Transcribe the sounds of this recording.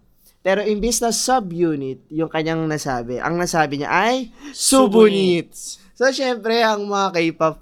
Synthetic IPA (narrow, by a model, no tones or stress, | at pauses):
pɛːɾo̞ʔɪmbisnɐsɐbjuːnɪt̪̚jʊŋkɐɲːaŋnɐsaːbɛʔɐ̰ŋnɐsaːbɪɲa̰ʔɐjsubʊnit̪ | soʃɛmpɾɛʔɐŋmɐŋakɐipɐ